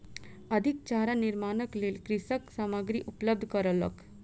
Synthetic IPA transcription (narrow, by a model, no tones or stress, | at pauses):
ɐd̪ʱik̚t͡ʃaːɾaniɾmaːnəklelkɾisəksaməɡɾiʔupləb̚d̪ʱkəɾələ̰k